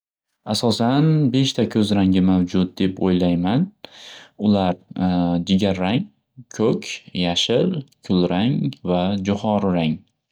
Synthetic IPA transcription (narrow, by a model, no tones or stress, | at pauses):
asɒsanbe̞ʃt̪ʰakʲʰɵzɾaŋɡʲɪmawd͡ʒʊt̪̚d̪e̞pʰojlajman | ʊlaɾd͡ʒɪɡʲaɾːaŋ | kʰɵkʲjaʃɪɾkʰʊlɾaŋvad͡ʒʊχɒɾɾaŋ